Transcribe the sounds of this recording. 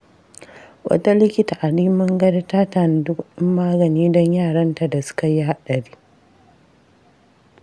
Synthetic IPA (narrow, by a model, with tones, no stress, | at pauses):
wʔɐ̰˦ta˦lɪ˦kʲɪ˦ta˨ʔa˨liː˦mɐ˦ŋɡɐ˦da˦taː˦taː˨n˨˦dʊ˦kɗɪ˦mːaː˦ɡɐ˨niː˦dɔ˦ɲjaː˦˨ɽɐ˦nta˨da˨sʊ̥˦ka˨ji˦ha˦ɗɐ˨ɽiː˦